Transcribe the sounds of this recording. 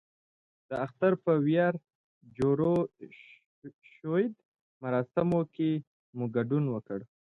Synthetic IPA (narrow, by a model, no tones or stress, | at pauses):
d̪̥əaxt̪aɾpəwjaɾ | d͡ʒoɾo | ʃojd̪ | maɾɑsɪmoke | muɡaɖunwəkəɽ